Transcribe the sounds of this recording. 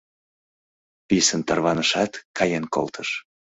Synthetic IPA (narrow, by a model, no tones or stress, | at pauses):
pisənt̪ɑrβɑnəʃɑt̪kɑjenko̰lt̪ʰəʃ